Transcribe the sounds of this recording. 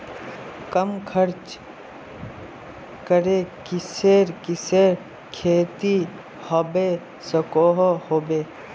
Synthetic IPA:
kəmkʰəɾt͡ʃ | kəɾekɪseːɾkɪseːɾ | kʰeːt̪i | hɔbe | səkoɦohoːbeː

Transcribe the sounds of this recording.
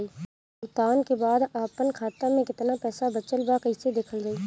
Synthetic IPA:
iː | ʊt̪aːnkebaːd̪aːpənkʰaːt̪amẽkɪt̪napɛːsabɐt͡ʃəlbakəised̪eːkʰəld͡ʒaiː

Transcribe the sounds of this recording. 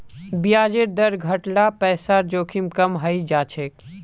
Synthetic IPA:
bijaːd͡ʒeɾd̪ɐɾɡʱɐʈɽapɛːsaːɾd͡ʒoːkʰimkɐmɦɐid͡ʒaːt͡ʃʰeːk̚

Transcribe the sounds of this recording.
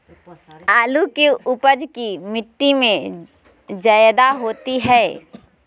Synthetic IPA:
aːlukeʊpəd͡ʒkimɪʈːimẽ | d͡ʒəjd̪aɦoːt̪iɦɛː

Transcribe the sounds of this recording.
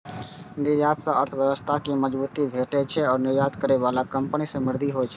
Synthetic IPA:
niɾjat̪sə̃ʔəɾt̪ʰəbjəbəst̪ʰakeməd͡ʒbut̪ibʱeʈɛt͡ʃʰɛɔːɾnɪɾjad̪kəɾeβalakəmpnisə̃mɪɾd̪ʱiɦot͡ʃʰɛ

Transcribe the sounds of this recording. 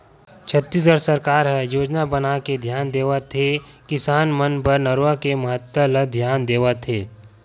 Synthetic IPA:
t͡ʃʰət̪ːiːs̬ɡəɽsɐɾkaːɾɦɛjoːd͡ʒnabənaked̪ʱjaːnd̪eːʋat̪ʰe | kɪsaːnmənpɐɾnəɾʋakemɐɦət̪ːələd̪ʱjaːnd̪eːʋat̪ʰeː

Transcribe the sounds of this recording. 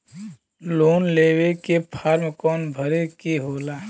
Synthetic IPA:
loːnleːwekepʰaːɾmkɔːnbʱəɾekeɦoːlaː

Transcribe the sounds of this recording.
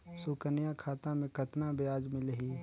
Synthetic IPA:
sʊkənjakʰaːt̪ãmẽkət̪nabɪjaːd͡ʒmɪlɦiː

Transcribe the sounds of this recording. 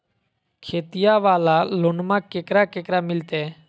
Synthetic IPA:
kʰeːt̪ijaːʋaːlaːloːnmãːkeːkɾaːkeːkɾaːmɪlt̪ɛː

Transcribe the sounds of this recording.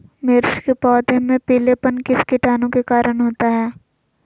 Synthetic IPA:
mɪɾʃkepɔːd̪ʱemẽpiːlepənkɪskɪʈaːnõkekaːɾəɽ̃ɦoːt̪aɦɛː

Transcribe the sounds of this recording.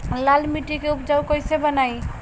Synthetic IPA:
lalmiʈikeupd͡ʒawkəjsebənaj

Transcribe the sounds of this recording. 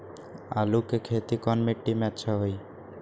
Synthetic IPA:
a̰lukekʰet̪ikɔnmiʈːimɛtːʃʰaɦoj

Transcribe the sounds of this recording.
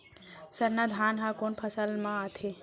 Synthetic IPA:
səɾnad̪ʱaːnɦãkoːnpʰəsəlmãat̪ʰe

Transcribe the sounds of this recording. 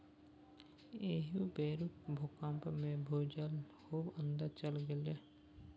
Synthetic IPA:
eːɦubeːɾukbʱokãːmpmẽbʱoːd͡ʒal | hoːbə̃nd̪əɾt͡ʃəlɡele

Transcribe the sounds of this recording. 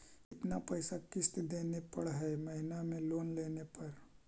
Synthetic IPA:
ɪt̪napəjsakɪst̪d̪eːnepɐɽɦɛmɐɦɪnamẽloːnleːnepɐɾ

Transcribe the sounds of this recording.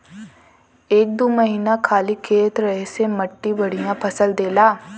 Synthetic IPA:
eːk̚d̪oːməɦiːnakʰaːlikʰeːt̪ɾɐɦesemɐʈːibɐɽ̤ijãpʰɐsəld̪eːlaː

